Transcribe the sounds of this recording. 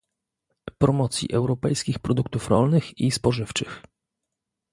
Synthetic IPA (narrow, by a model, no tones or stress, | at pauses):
pɾɔmɔt̪sʲjḭʔɛwɾɔpɛjskʲixpɾɔd̪ukt̪ufɾɔ̰lnɘxispɔʐɘft͡ʂɘx